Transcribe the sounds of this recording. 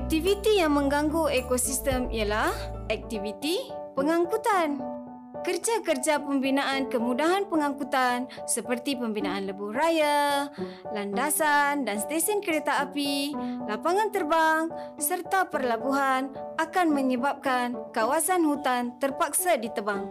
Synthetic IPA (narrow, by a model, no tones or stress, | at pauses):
ɛk̚t̪ivit̪ijaŋmə̃ŋɡaŋɡoekosist̪əmḭjalahɛk̚t̪ivit̪ipəŋaŋkut̪an | kərd͡ʒakərd͡ʒapəmbinaʔankəmudaɦanpəŋaŋkut̪ansəpərt̪ipəmbinaanləbʊraja | landasandanst̪esənkəɾet̪aapilapaŋãnt̪ərbaŋsərt̪apərlabuɦanakanməɲəbap̚kankawasanhut̪ant̪ərpak̚sadit̪əbaŋ